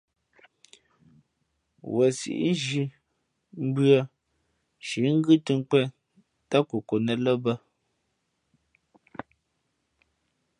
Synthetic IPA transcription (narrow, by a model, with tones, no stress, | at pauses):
wʔə˨sḭ˨ʔi˦ʒi˨˦ | m̩˦bɰə˦ | ʃi˨˦ŋ̩˦ɡʉ˦tɨ˦ŋ̩˦k͡pɛ˦ | ta˦ko˨ko˨nə˨lə˦bə˦